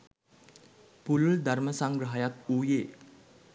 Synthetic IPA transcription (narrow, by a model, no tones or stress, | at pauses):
pululd̪arməsaŋɡɾəɦajat̪̚uje